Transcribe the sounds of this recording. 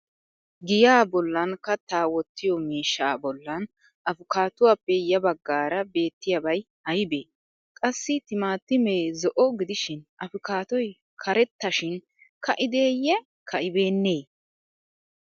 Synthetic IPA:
ɡɪjaːbɔlːɐnkɐt̪ːaːwɔt̪ːɪjɔmiːʃːaaːbɔlːɐn | ɐfʊkaːt̪ʊwaːpːɛjɐbɐɡːaːɾɐbe̞ːt̪ːɪjɐbɐj | hɐjbe̞ː | kʼɐsːɪt̪ɪmaːt̪ːɪmeːzɔʔɔɡɪd̪ɪʃɪnʔɐfʊkaːt̪ɔj | kʰɐɾɛt̪ːɐʃɪn | kʰɐʔɪd̪eːjɛ | kʰɐʔɪbe̞ːnːeː

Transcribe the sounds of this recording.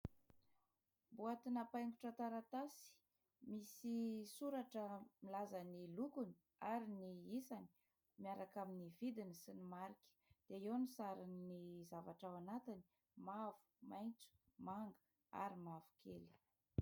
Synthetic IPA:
buat̪inapajŋɡuʈ͡ʂat̪aɾat̪asi̥ | misisuɾaʈ͡ʂəmilazanilukuni | aɾiniisani̥ | miaɾakaminivid̪inisinimaɾikʲə̥d̪̥eewnisaɾinizavaʈ͡ʂawanat̪ini̥ | mavu̥majnt͡su̥maŋɡə̥ | a̰ɾimavu̥kʰeli̥

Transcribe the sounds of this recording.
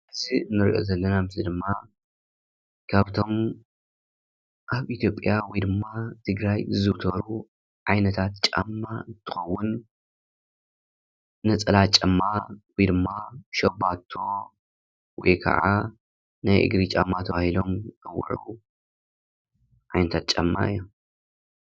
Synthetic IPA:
ʔɨziɨnːɨɾḭʔo̰zɐlːɐnamɨsid̪ɨmːa | kʰaβt̪ʰo̞m | ʔaβit̪ʰjo̞pʼːjawɔjd̪ɨmːat̪ʰɨɡɾajzɨwt̪ʰɐɾu | ʕajnɐt̪ʰat̪t͡ʃʼa̰mːaɨnt̪ʰɨxɐwːʊn | nɐt͡sʼɨlat͡ʃʼɐmːawijd̪ɨmːaʃɐbat̪ʰːo̞ | wɔ̰jkʰɐ̰ʕa | najʔɨ̰ɡɾit͡ʃʼamːat̪ʰɐβahilo̞mkʼɐw̰ʕu | ʕajnɐt̪ʰat̪̚t͡ʃʼamːa̰ɨ̰jːo

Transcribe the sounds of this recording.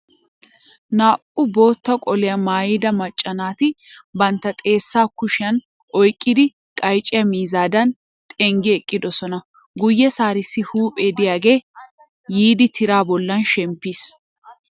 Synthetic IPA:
naːʔʼʊbo̞ːt̪ːɐkʼɔlɪjɐmaːjɪd̪ɐmɐt͡ʃʼːɐnaːt̪ɪbɐnt̪ːɐt̪ʼe̞ːsːaːkʊʃɪjɐn | ʔɔjkʼːɪd̪ɪ | kʼɐjt͡ʃʼːɪjɐmiːzaːd̪ɐn | t̪ʼɛŋɡɛɛkʼːɪd̪ɔsɔnɐ | ɡʊjːɛsaːɾɪsːɪhuːpʼeːd̪ɪjaːɡe̞ː | jiːd̪ɪt̪ʰɪɾaːbɔlːɐnʃɛmpːis

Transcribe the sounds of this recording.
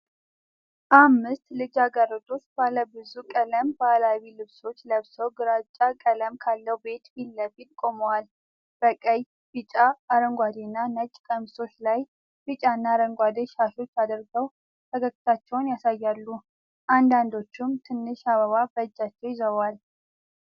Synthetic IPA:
ʔamːɨst̪lɨd͡ʒaɡaɾət̪ʼo̞t͡ʃːbaləbɨzukʼələmbalawilɨβso̞t͡ʃːləβsəwɡɨɾat͡ʃʼakʼələmkʰalːəwbe̞t̪bilːəbit̪kʼo̞məwal | b̥əkʼəj | bɨt͡ʃʼaːɾəŋɡʷad̪inːanət͡ʃʼkʼəmso̞t͡ʃːlaj | b̥ɨt͡ʃʼanːaɾəŋɡʷad̪əʃaʃo̞t͡ʃːad̪əɾɡəw | t̪ʰəɡəkʼːɨt̪ʰat͡ʃːɛwnjasajːalːu | ʔand̪and̪o̞t͡ʃːumt̪ʰɨnːɨʃaβəβabət͡ʃʼːat͡ʃːɛwjɪzəβal

